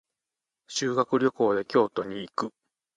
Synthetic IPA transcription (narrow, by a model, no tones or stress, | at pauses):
ɕɨːɡakɯ̟ɾʲo̞ko̞ːd̪e̞kʲo̞ːt̪o̞ɲ̟iːkɯ̟